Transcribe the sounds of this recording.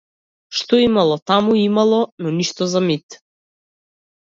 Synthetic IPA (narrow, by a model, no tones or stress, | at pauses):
ʃt̪ɔimalˠɔt̪amuimalˠɔnɔniʃt̪ɔzamit̪